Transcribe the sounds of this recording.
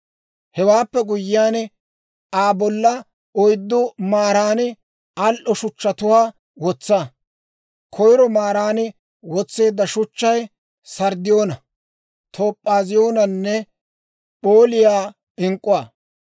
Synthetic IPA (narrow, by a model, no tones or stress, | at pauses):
hɛwaːpːɛɡʊjɪjaːn | aːbɔlːɐ | ɔjd̪ːɔmaːɾaːnɪ | ɐlʔɔʃʊt͡ʃːɐt̪ʊwaː | wɔt͡sːa | kʰɔjɾɔmaːɾaːnɪ | wɔt͡sːe̞ːd̪ːɐʃʊt͡ʃːɐj | sɐɾd̪ɪjo̞ːnɐ | t̪ʰoːpʼːaːzɪjo̞ːnɐnːɛ | pʼoːlɪjaː | ɪŋkʼːʊwaː